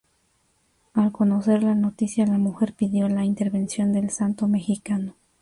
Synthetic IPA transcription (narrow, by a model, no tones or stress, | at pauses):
alko̞no̞se̞ɾlano̞t̪isjalamuxe̞ɾpiðjo̞laint̪e̞ɾβe̞nsjo̞nd̪e̞lsant̪o̞me̞xikano